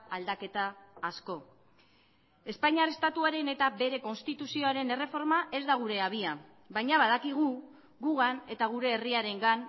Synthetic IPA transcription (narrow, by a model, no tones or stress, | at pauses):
ald̪ake̞t̪aːsko̞ | e̞spaɲarest̪at̪uaɾe̞ne̞t̪abe̞ɾe̞ko̞nst̪it̪usio̞aɾe̞ne̞re̞fo̞ɾmaʔe̞zd̪aɣ̞uɾe̞aβ̞ia | bajɲaβað̞akiɣ̞u | ɣuɣane̞t̪aɣ̞uɾe̞ːriaɾe̞ŋɡan